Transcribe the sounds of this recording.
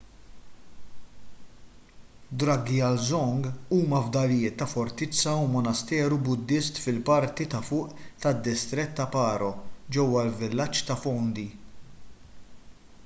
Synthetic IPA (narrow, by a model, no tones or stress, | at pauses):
d̪ɾɐɡiɐlzɔŋɡuːmɐvd̪ɐljɪːt̪ːɐfɔɾt̪ɪt͡sːɐumɔnɐst̪ɛːɾubʊd̪ːɪst̪fɪlpɐɾt̪it̪ɐfʊːʔt̪ɐd̪ːɪst̪ɾɛt̪ːɐpɐːɾɔd͡ʒɛwːɐlvɪlːɐt͡ʃːt̪ɐfɔnd̪i